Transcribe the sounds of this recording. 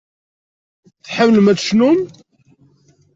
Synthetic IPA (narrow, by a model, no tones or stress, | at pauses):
θħamləmæt͡sʃnum